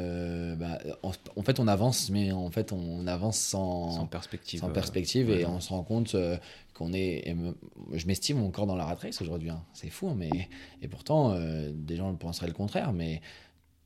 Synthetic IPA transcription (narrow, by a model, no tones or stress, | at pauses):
øbaɔ̃ɑ̃fɛt̪ɔ̃navɑ̃smɛɑ̃fɛt̪ɔ̃navɑ̃sːɑ̃ɛspɛk̚t̪isɑ̃pɛʁspɛk̚t̪ʰiveɔ̃səʁɑ̃kɔ̃t̪ø | kʰɔ̃nɛḛmʒəmɛst̪imɔɑ̃kɔʁd̪ɑ̃laʁat̪χɛsoʒuʁd̪ɥiɛ̃sɛfuɛ̃mɛepuʁt̪ɑ̃ød̪eʒɑ̃əpɑ̃sʁɛləkɔ̃t̪χɛʁmɛ